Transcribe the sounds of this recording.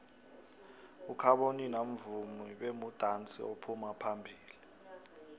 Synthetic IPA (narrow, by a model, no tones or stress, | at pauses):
ukʰaɓoninam̩vumiɓemud̥ʱant͡sʼḭopʰumapʰambʱiːli